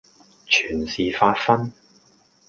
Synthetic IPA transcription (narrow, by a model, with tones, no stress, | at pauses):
t͡ʃʰyː˨˩nsiː˨faː˧t̚fɐ˥n